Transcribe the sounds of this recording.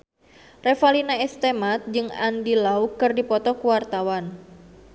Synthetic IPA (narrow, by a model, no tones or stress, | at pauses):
refalinaɛst̪emat̪̚d͡ʒɨŋa̰ndilaukɨrdipɔt̪ɔkuwart̪awan